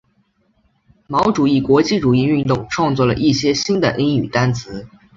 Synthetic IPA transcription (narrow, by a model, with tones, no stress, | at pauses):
mɑ˧˥ʊʈ͡ʂu˨˩i˥˩kwɔ˧˥t͡ɕi˥˩ʈ͡ʂu˨˩i˥˧y˥˧nt̪ʊ˥˩ŋʈ͡ʂʰwɑ˥˧ŋt͡swɔ˥˩lə̰˩ʔi˥˩ɕjɛ˥ɕi˥nd̪ə˨ʔi˥ny˨˩t̪a˥nt͡sʰɹ̩˧˥